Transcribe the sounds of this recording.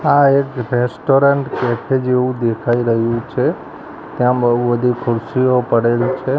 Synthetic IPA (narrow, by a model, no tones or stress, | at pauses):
aekɾesʈoɾəɳʈkɛfʰed͡ʒeʋũd̪ekʰaiɾəɦjũt͡ʃʰe | t̪jãbəɦubəd̪ʱikʰʊɾsiopəɽelt͡ʃʰe